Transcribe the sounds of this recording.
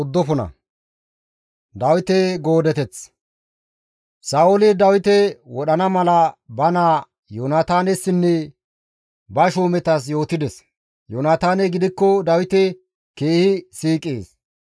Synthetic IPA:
ʊd̪ːɔfʊnɐ̰ | d̪ɐwɪt̪ɛɡo̞ːd̪ɛt̪ɛt͡s | saːwɔlɪd̪ɐwɪt̪ɛwɔɗɐnɐmɐlɐbɐnaː | jonat̪aːnɛsːɪnːɛ | bɐʃoːmɛt̪ɐs̬jo̞ːt̪ɪd̪ɛs | jonaːt̪aːnɛɡɪd̪ɪkːɔd̪ɐwɪt̪ɛ | keːhɪsiːkʼːḛːs

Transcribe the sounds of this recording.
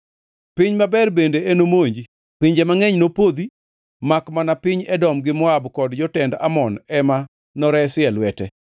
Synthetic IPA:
pɪɲmabɛrbendeenomoɲd͡ʒi | piɲd͡ʒemaŋeɲnopod̪i | makmanapɪɲɛdɔmɡɪmɔabkɔdd͡ʒɔtɛnda̰mɔnɛma | nɔɾɛsɪɛlwɛtɛ

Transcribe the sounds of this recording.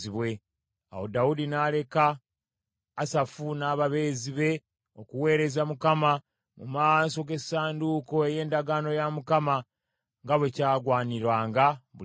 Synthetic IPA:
iβwe̞ | a̰wodaudinale̞kaː | safunaːβaβe̞ːziβe̞ | o̞kuwe̞ːɾe̞zamukama | mṵmaso̞ɡe̞saːnduko̞e̞je̞ːndaɡaːno̞jamukama | ŋɡaβwe̞caːɡwaːniɾwaːŋɡaβu

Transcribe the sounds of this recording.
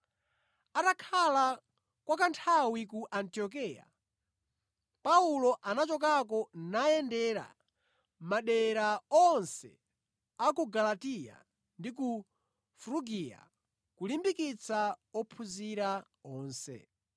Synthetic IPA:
atakʰala | kwakantʰawik̬uʔantiɔk̬ija̰ | paulɔʔanat͡ʃɔk̬ak̬ɔnajɛndɛɾa̰ | maɗɛɾaɔnsɛ̰ | akuɡalatija̰ | ndik̬u | fɾuɡija̰ | kulimbikit͡sʰaɔpʰuziɾa | ɔːnsɛ̰

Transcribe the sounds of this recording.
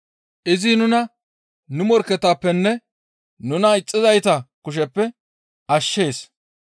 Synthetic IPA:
ʔɪzinʊnɐ | nʊmɔɾkɛt̪ːaːpːɛnːɛ | nʊnɐɪt͡sʼːɪzɐjt̪ɐkʊʃ̬ɛpːɛ | ʔɐʃːe̞ːs

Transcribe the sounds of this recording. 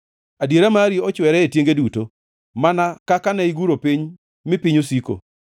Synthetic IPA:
adjeɾamaɾiɔt͡ʃwɛɾɛetjeŋɡeduto | manakakanaiɡuɾopiɲ | mɪpiɲosiko̰

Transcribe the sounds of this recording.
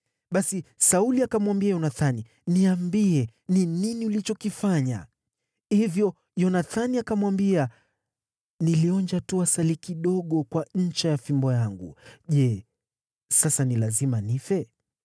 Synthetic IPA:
ɓasisauliakamwambiajɔnaθani | niambiɛ | nininiulit͡ʃɔkifaɲa̰ | hivjɔ | jɔnaθaniakamwambia | niliɔɲd͡ʒatuasalikiɗɔɠɔkwaɲ̩t͡ʃajafimbɔjaŋɡṵʄɛ | sasanilazimanifɛ

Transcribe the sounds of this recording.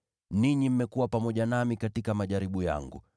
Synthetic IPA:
niɲim̩mːɛkuwapamɔʄanamikatikamaʄaɾiɓuja̰ŋɡṵ

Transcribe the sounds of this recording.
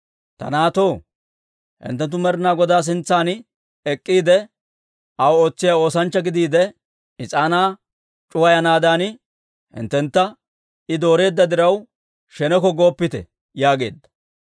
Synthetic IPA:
t̪ɐ̰naːt̪o̞ː | hɪ̰nt̪ːɛnt̪ːʊmɛɾɪnaːɡɔd̪aːs̬ɪnt͡sːaːn | ɛkʼːiːd̪ɛ | ʔɐwoːt͡sːɪjaːo̞ːsɐnt͡ʃːɐɡɪd̪iːd̪ɛ | ɪt͡sʼaːnaː | t͡ʃʼʊwɐjɐnaːd̪aːn | hɪ̰nt̪ːɛnt̪ːɐ | ɪd̪o̞ːɾe̞ːd̪ːɐd̪ɪɾɐw | ʃɛnɛkɔɡo̞ːpːɪt̪ɛ̰ | jaːɡe̞̰ːd̪ːɐ̥

